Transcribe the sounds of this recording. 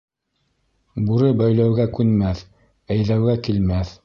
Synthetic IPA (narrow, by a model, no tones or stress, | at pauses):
buɾɤbæjlæwɡækʉnmæθ | æjðæwɡækilmæθ